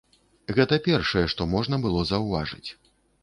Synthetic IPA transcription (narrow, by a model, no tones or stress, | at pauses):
ɣɛt̪ɐpʲɛrʂɐjɛʂt̪ɔmɔʐn̪ɐbɨlˠɔzɐwvaʐɨ̰t͡sʲ